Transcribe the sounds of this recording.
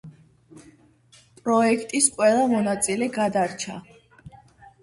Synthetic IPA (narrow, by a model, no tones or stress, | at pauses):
pʼɾɔɛkʰt̪ʼisqʼwɛlˠamɔnat̪sʼilɛɡad̪aɾt͡ʃʰa̰